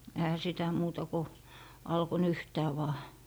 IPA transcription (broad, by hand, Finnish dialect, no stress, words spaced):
ehæ sitæ muːtɑ ko ɑlko nyhtæː ʋɑː